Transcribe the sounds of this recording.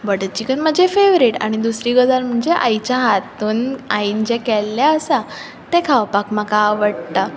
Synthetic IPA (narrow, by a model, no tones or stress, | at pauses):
bəɽət͡ɕikənməd͡ʑefeʋɾiʈa̰ɽ̃id̪usɾiːɡəd͡zaɾm̤əɳd͡zeʔa̰jt͡ɕjaɦat̪uːnaiːnd͡ʑekɛlːjaəsa | t̪ekʰaʋpakmakaəʋəɽt̪a